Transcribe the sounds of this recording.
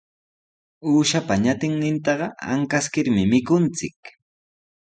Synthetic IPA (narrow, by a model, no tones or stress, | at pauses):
uːʃapaɲat̪ɪŋnɪnt̪ɑɢɑa̰ŋkaskɪɾmɪmɪkʊnt͡sɪk